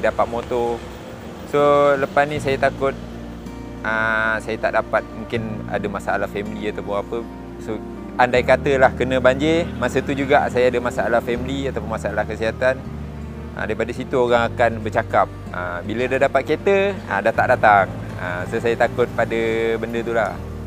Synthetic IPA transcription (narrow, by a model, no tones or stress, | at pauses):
dapat̪̚mot̪o | soləpasnisajat̪akʊt̪̚ | əsajat̪aʔdapat̪̚muŋkɪna̰dəmasaalahfɛmiliat̪awpʊŋapə | so | andajkat̪əlahkənə̃baɲd͡ʒemasət̪ud͡ʒuɡaʔsajaadəmasaalahfɛmiliat̪awpʊnmasaalahkəsiɦat̪an | ə̰daipadasit̪uoɣaŋakanbərt͡ʃakap̚ | ə̰bilədadapat̪̚ket̪əədaht̪aʔdat̪aŋ | ə̰sosajat̪akʊt̪̚padəbəndət̪ulah